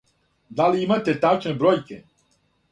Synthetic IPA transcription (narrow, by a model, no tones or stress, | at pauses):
d̪aliimat̪et̪at͡ʃnebɾojke